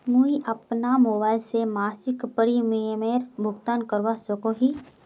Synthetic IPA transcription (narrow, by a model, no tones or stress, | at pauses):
muiʔɐpnamoːbaːɪlsemaːsɪkpəɾimiemeːɾbʱʊɡt̪aːnkəɾʋasokoɦi